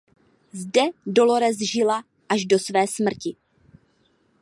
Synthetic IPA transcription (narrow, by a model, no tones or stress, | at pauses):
zdɛdo̞loɾɛzʒɪla | ʔaʒdo̞svɛːsmr̩cɪ